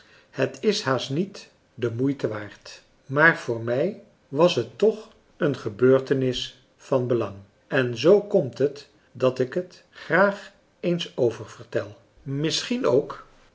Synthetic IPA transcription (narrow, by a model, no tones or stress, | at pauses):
hətɪshaːstnit | dəmujtəʋaːɹt | maːɹv̥ʊːɹmɛj | ʋɑsɦətːɔχ | ənχəbøːɹtənɪs | fɑnbəlɑŋ | ɛnzowkɔmtɦət | dɑtɪkɦət | χraːχ | ejnsowvəɹv̥əɹtɛlˠ | mɪsχinowk